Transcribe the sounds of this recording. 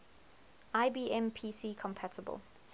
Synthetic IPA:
aɪbiːʔɛ̃mpʰiːsiːkʰɔ̃mpʰatəbə̰l

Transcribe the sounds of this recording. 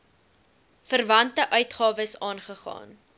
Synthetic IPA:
fərvɐntəʔœɥtχɑːvəsɑːnχəχɑ̰ːn

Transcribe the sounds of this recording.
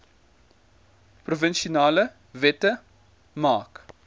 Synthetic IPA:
prufənʃiunaːlə | vɛtə | mɑːk

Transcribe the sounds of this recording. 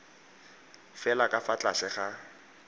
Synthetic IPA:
fɛlakʼafat͡ɬʼasɪχa

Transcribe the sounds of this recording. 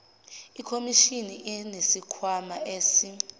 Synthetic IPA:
ikʰomiʃiniʔɛnesikʰwamaʔeːsi

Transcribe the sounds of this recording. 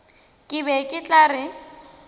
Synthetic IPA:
kʼɪbɛkʼɪt͡ɬʼarɪ

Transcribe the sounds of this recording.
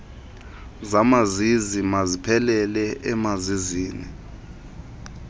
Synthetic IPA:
zamazizimazipʰɛlɛlɛʔɛmaziziːnḭ

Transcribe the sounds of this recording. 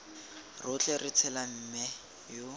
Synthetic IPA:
rʊt͡ɬɛrɪt͡sʰɛlam̩mɛ | jʊ

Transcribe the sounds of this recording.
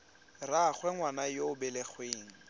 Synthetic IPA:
raχwɛŋwanajoʊbɛlɛχweːŋ̩

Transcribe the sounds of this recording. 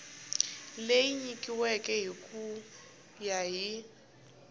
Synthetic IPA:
lejiɲikʼiwɛkʼɛɦikʼu | jaɦi

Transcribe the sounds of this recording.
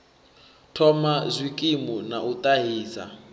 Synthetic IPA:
tʰɔmazʷikʼimunaʔut̪ʼaɦiːsa̰

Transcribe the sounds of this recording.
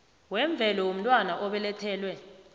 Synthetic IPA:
wɛɱb̪vʱɛlɔwom̩tʼwanaʔɔɓɛlɛtʰɛːlwɛ

